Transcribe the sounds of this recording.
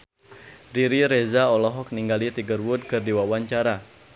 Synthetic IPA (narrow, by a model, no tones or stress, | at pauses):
riɾiɾɛzaɔlɔɦɔk̚niŋɡalit̪iɡərwud̚kɨrdiwawaɲt͡ʃaɾa